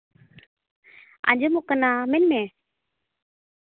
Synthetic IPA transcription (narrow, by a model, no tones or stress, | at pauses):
a̰ɲd͡ʒumɔkanamɛnmɛ̃